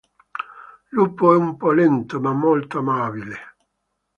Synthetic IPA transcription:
lupːoɛumpɔlɛnt̪omamːolt̪oamaːbile

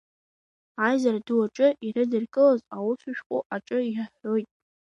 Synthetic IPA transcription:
ajzaraduaʈ͡ʂʼɨʔirɨdɨrɡʼɨlazawʊsɨʃᶣqʼo̰ʔaʈ͡ʂʼɨiaħo̞jtʼ

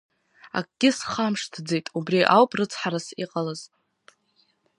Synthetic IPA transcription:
a̰kʼɡʲɪsχamʂtʰd͡zejtʼubriʔawpʼrɨt͡sʰħaɾasiqʼalɨz̥

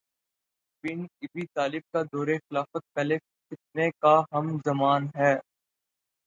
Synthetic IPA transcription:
bɪnɪbit̪aːlɪb̚kad̪ɔːɾexɪlaːfət̪̚pɛːle | kɪt̪̚nekaɦɐmzɐmaːnɦɛː

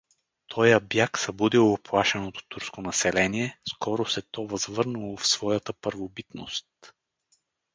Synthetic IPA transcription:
t̪ʰɔjəbjaksɐbud̪ilˠooplˠaʃɛnot̪o̥t̪uɾskonɐsɛlɛniɛskɔɾosɛt̪ɔvɐzvɤɾnulˠofsv̥ɔjət̪əpəɾvobit̪no̰st̪

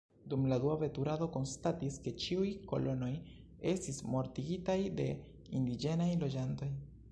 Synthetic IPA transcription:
d̪umladuave̞tuɾado̞ko̞nstatiske̞t͡ʃiujko̞̰lo̞no̞j | e̞stismo̞ɾtiɡitajde̞ | ind̪id͡ʒe̞najlo̞d͡ʒanto̞j

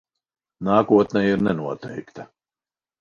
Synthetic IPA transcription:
naːkuɔt̪nɛjiɾnɛnuɔt̪ɛjkt̪a

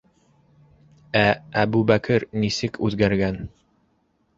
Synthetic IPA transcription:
ææbʉbækɘɾnisɘkʰʉðɡæɾɡæn

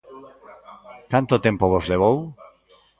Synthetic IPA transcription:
kant̪ot̪empoβozleβ̞ow

